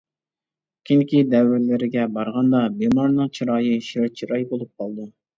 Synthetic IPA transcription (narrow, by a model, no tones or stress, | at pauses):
kʲʰinkʲid̪ɛwɪlɪɾɪɡʲɛbɑɾʁɑnd̪ɑbemɑɾnɨŋt͡ʃʰiɾɑːjɨʃiɾt͡ʃʰiɾɑjbolˠup̚qʰɑlˠd̪ɨ